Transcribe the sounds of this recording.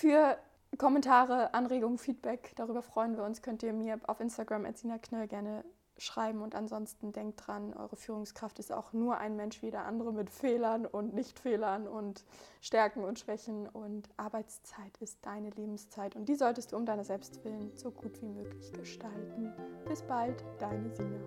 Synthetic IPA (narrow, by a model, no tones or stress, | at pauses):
fyːɐ | kʰɔmɛntʰaːʁ̞əʔanʁeːɡʊŋfiːt̚b̥ɛkd̥aʁyːbɐfʁ̥ɔʏənviːɐʊnskʰœntiːɐmiːɐʔa̰ʊfʔɪnstaɡʁamɛ̰ɐt͡siːnɐkʰnɔlɡɛɐnə | ʃʁ̥aɪbm̩ʊntanzɔnstn̩dɛŋk̚tdʁanʔɔ̰ʏʁəfyːʁ̞ʊŋskʁ̥aftɪsta̰ʊxnuːɐʔa̰ɪnmɛnʃviːjeːdɐʔa̰ndəʁəmɪtfeːlɐnʊntnɪçtfeːlɐnʊntʃtɛɐkŋ̩ʊntʃv̥ɛçn̩ʊntʔaɐbaɪt͡st͡saɪtɪst̚d̥aɪnəleːbm̩st͡saɪtʊnt̚d̥iːzɔltəstd̥uːʊmdaɪnɐzɛlpstv̥ɪlənz̥oɡuːtv̥iːmøːklɪçɡ̥əʃtaltn̩b̥ɪsb̥altd̥aɪnəziːɡə